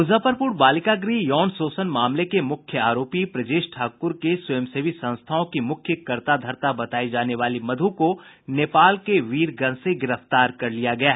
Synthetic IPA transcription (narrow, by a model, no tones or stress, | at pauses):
ʊzəpəɾpʊɾbaːlɪkaɡɾiːjɔːnsoːsənmaːmlekemʊkʰjəaːɾoːpipɾɐd͡ʒeːʃʈʰaːkʊɾkesɐjəmseːʋisɐ̃nst̪ʰaõkimʊkʰjəkɐɾt̪ad̪ʱɐɾt̪abɐt̪aːid͡ʒaːneʋaːlimɐd̪ʱũko | neːpaːlkeʋiːɾɡɐnseɡɪɾəft̪aːɾkɐɾlijaɡɐjaː